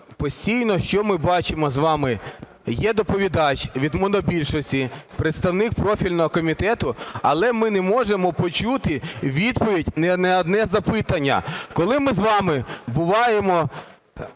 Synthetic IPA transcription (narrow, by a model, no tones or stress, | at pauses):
pɔsʲtʲijnɔʃt͡ʃɔmɪbɑt͡ʃɪmɔzʋɑmɪ | jɛd̪ɔpɔʋʲid̪ɑt͡ʃʲʋʲid̪mɔnɔbʲilʲʃɔsʲtʲipɾet̪st̪ɐwnɪk̚pɾɔfʲilʲnɔɦɔkɔmʲit̪ɛt̪ʊɐlˠɛmɪnɛmɔʒemɔpɔt͡ʃut̪ɪʋʲid̪pɔʋʲidʲnɛnɛɔd̪nɛzɐpɪt̪ɐnʲːɐ̰kɔlˠɪmɪzʋɑmɪbʊʋɑjemɔ